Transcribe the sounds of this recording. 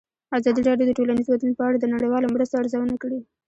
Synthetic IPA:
azɑd̪iɾɑɖjod̪əʈolanizwat̪lunopəaɽad̪ənaɽejwɑlomɽəst̪oaɾzawənakəɽi

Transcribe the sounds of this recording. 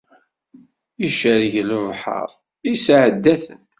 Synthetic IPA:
iʃəɾʝəlʊvħə̰ɾˤ | isʕəd̪ːæθə̰n

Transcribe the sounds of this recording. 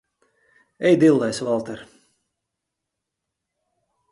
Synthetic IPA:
ɛjd̪ilˠːɛjsvalˠt̪ɛɾ

